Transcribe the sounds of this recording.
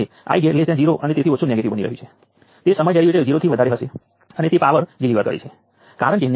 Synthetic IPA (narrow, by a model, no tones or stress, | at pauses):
e | a̰iɡeled͡ʒjãd͡ʒiɾoʔənet̪et̪ʰiot͡ʃʰunjãɡet̪ibəniɾə̰ɦũt͡ʃʰe | t̪esəməjɖɛɭiʋiʈed͡ʒiɾot̪ʰiʋəd̪ʱaɾeɦəʃe | ənet̪epaʋəɾɡiliʋəɾkə̰ɾḛt͡ʃʰe | kaɾəɳken